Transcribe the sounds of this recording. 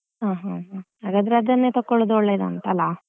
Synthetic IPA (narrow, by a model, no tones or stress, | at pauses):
ɦaːɦaɦã | aɡad̪ɐɾad̪ɾɐnːet̪ɐkːɔɭod̪ɔɭːed̪ɐːnt̪ɐlːa